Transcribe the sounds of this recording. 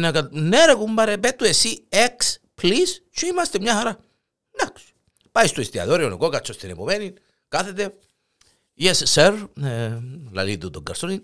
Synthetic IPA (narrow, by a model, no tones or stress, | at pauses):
nakat̪̚neɾekumbaɾepet̪ːuesiekspʰlist͡ʃuimast̪emɲahaɾa | naks | pajst̪uist̪ia̰ðoɾionḭkokat͡ʃːost̪inɛ̰pomenin | kaθet̪e | jɛssɛɾ | la̰lit̪ut̪oɡɐ̰ɾsonin